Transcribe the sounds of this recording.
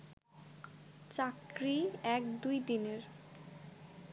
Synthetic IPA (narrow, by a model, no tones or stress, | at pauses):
t͡ɕakɾiɛkd̪ujd̪ineɾ